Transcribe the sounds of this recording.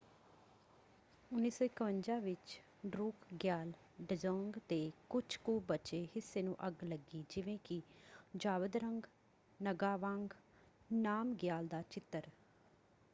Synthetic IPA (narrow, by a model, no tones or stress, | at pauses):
ʊnːiːsɔ̃ːɪkəʋəɲd͡ʒãːʋɪt͡ʃ | ɖɾuːkɡjaːl | ɖəzoːŋɡt̪eːkʊt͡ʃʰkuːbət͡ʃeːhɪsːeːnũːʔəɡləɡiːd͡ʒɪʋẽːkɪd͡ʒaːʋəd̪ɾəŋɡ | nəɡaːʋãːŋɡ | naːmɡjaːld̪aːt͡ʃɪt̪ːəɾ